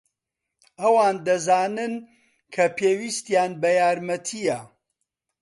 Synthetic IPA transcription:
ɐwaːnd̪ɐzaːnɨn | kʰɐpʰeːwist̪jaːnbɐjaːɾmɐt̪ʰijɐ

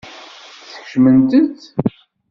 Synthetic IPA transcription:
θə̥çʃmənt̪ənt̪

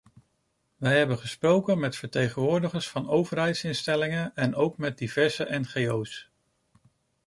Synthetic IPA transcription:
ʋɛjɦɛbənχəsprowkənmɛtfəɹtejχənʋʊːɹdəχəɹsfɑnowvəɹɦɛjtsɪnstɛlɪŋənɛnowkmɛt̚div̥ɛɹzəʔɛnχejows

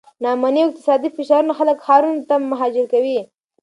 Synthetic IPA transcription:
nɑmaniawɪq̚t̪ɪ̥sɑd̪ifɪʃɑɾunaxaləkxɑɾunt̪amːaɦɑd͡ʒɪɾkawi

